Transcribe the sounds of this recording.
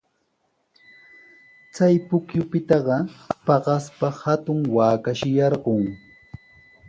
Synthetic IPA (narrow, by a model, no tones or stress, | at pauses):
t͡sajpʊkjʊpɪt̪ɑɢɑpɑɢɑspahat̪ʊŋwaːkaʃɪjɑɾɢoŋ